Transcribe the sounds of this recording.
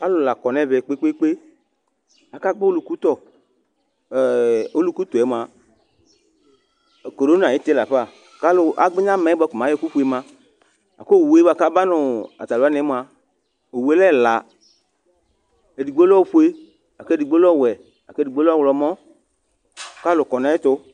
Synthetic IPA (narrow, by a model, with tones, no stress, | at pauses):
a˦lʊ˨la˨kɔ˨nɛ˦˨vɛ˨k͡pe˦k͡pe˦k͡pe˦ | a˨ka˦ɡ͡be˦o˦lu˨ku˦t̪ɔ˦˨ | o˦lu˦˨ku˦t̪u˨ɛ˨˦m˨a˨ | ko˨ɾo˦n˦˨a˨ji˨˦t̪e˦la˨ɸa˦˨ | ka˦lʊ˦ʔa̰˨ɡ͡be˦ɲã˦mɛ̃˨˦bɔ˧˦ku˨mã˨˦ɔ˦ku˦ɸu˧˦e˧mã˧ | a̰˨ko˦˨we˨˦ba˨ka˦ba˦nʊ˨a̰˨ta˨lo˦a˦ne˨˦m˨a˨ | o˨we˨˦lɛ˦˨la˨ | e˨di˨ɡ͡be˦lɔ˦˨ɸu˦e˦ | a˨ke˦di˨ɡ͡be˦lɔ˦˨wɛ˨ | a̰˨ke˦˨di˨ɡ͡be˦lɔ˦wlɔ˨mɔ̃˦˨ | ka˦lʊ˨kɔ˨nã˨˦e˦t̪ʊ˦